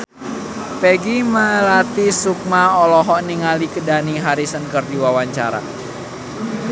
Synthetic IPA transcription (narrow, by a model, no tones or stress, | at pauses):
peɡiməlat̪isuk̚maɔlɔɦɔʔniŋalikədaniɦaɾisənkərdiwawaɲt͡ʃaɾa̰